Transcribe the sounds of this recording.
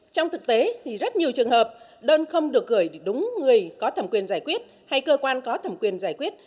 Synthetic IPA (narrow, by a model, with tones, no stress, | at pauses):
t͡ɕɔ˧wŋ͡mt̪ʰɨ˨˩k̚t̪e˨˦t̪ʰi˨˩zə˦˥t̚ɲi˨˩əwt͡ɕɨ˨˩əŋɦəː˨˩p̚ | ɗəː˧nxə˧wŋ͡mɗɨ˨˩ək̚ɣəː˧˩jɗʊ˨˦ŋ͡mŋɨ˨˩əjkɔ˨˦t̪ʰə˨˩mkwi˨˩ənzaː˧˩jkwi˦˥ət̚ | ha˧jkəː˧kwaː˧nkɔ˨˦t̪ʰə˨˩mkwi˨˩ənzaː˧˩jkwi˦˥ət̚